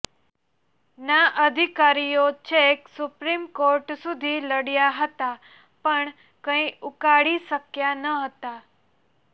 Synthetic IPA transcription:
naʔəd̪ʱikaɾijot͡ɕeksupɾimkoɾʈsud̪ʱiːləɽjaɦət̪a | pəɳ | kə̃ĩʔukaɽisəkjanəɦət̪a

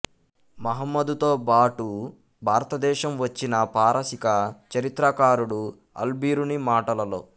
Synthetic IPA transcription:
mɐɦɐmːɐd̪ut̪o̞ːbaːʈu | bʱaːɾɐt̪ɐd̪ɛːʃɐmʋɐt͡ʃːinɐpaːɾʔɐsikɐt͡ʃɐɾit̪ɾɐkaːɾuɽu | ɐ̰lbiːɾunimaːʈɐlɐlo̞̰ː

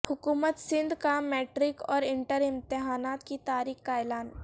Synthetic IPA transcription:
hʊkuːmət̪sɪ̃nd̪kamɛːʈɾɪkɔːɾɪ̃ɳʈəɾɪ̃mt̪ɪɦaːnaːt̪kit̪aːɾiːxkaɛːlaːn

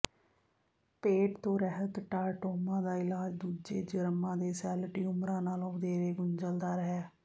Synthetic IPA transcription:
peːʈt̪õːɾəɦək̪ʈːaːʈoːmãːd̪aːɪlaːd͡ʒd̪uːd͡ʒḛːd͡ʒəɾmãːd̪eːsɛːlʈiːʊmɾãːnaːlõːʊd̪eːɾeːɡʊɲd͡ʒəld̪aːɾəɦɛː

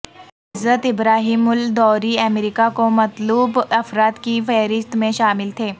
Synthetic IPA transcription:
ɪzːət̪ɪbɾaːɦiːmʊld̪ɔːɾiɐmɾikakomɐt̪luːbɐfɾaːt̪kifɛːɾɪst̪mẽʃaːmɪlt̪ʰeː

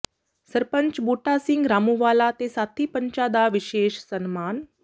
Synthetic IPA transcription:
səɾpəɲt͡ɕbuʈasiŋɡɾamuʋalat̪esat̪ʰiːpəɲt͡ɕad̪aʋiɕeɕsənman

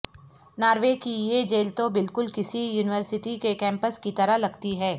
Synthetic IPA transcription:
naːɾʋekijed͡ʒeːlt̪obɪlkʊlkɪsijuːnɪʋəɾsɪʈikekɛ̃ːmpəskit̪ɐɾalɐɡt̪iɦɛː

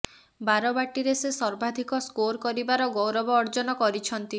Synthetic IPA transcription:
baɾɔbaʈiɾesesɔɾbʱad̪ʱikɔskoɾkɔɾibaɾɔɡowɾɔbɔːɾd͡ʒɔnɔkɔɾit͡ʃʰɔnt̪i

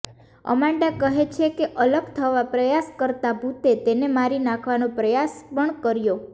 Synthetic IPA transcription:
ə̰mãɳɖakəɦet͡ʃʰekeʔələbt̪ʰəʋapɾəjaskəɾt̪abʱut̪et̪enemaɾinãkʰʋanopɾəjas | pəɳkəɾjo

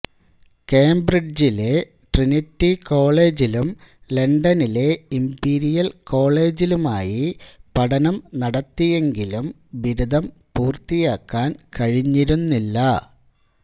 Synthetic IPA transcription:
keːmbriɖd͡ʑile̞ | ʈrinitːiko̞ːɭe̞ːd͡ʑilumleɳɖɐnile̞impiːɾijɐlko̞ːɭe̞ːd͡ʑiluma̰ːjipɐɽɐnɐmnɐɽɐt̪ːije̞ŋɡilum | ʋiɾud̪ʱɐmpuːrt̪ijaːkːaːnkɐɻiɲːiɾunːilːɐ

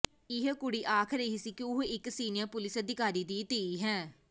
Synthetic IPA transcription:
ɪɦkʊɽiːʔaːkʰɾəiɦisiːkiʊɦɪksiːnɪjəɾpʊlɪsəd̪ɪkaːɾiːd̪iːt̪eːiːɦɛ̃ː

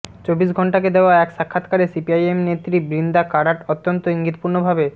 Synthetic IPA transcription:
t͡ɕobːiʃɡʱɔɳʈaked̪eoaɛkʃakʰːat̪kaɾesipiajemnet̪ːɾibɾind̪akaɽaʈot̪ːont̪oiŋɡit̪puɾnobʱabe

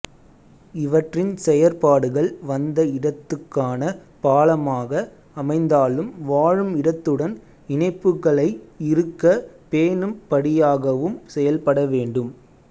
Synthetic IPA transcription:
ɪʋɐʈrɪnsɛjɐɾpaːɽɯɣɐɭʋɐnd̪ɐɪɽɐt̪ːɯkːaːnɐ | paːlɐmaːɣɐ | ɐmɐɪnd̪aːɭɯmʋaːɻɯmɪɽɐt̪ːɯɽɐn | ɪnɐɪpːɯɣɐɭɐɪɪɾɯkːɐpeːnɯmpɐɽɪjaːɣɐʋɯmsɛjɐlpɐɽɐʋeːɳɖɯm

